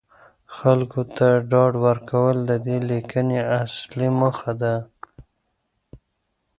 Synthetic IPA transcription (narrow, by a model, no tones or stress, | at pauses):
xalkot̪aɖɑɖwəɾkawəld̪əd̪elikəneasliməxad̪a